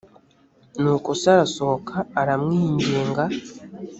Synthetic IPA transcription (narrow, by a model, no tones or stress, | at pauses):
nuːkusaɾasohokʰaːɾamŋiːɲɟeːŋɡa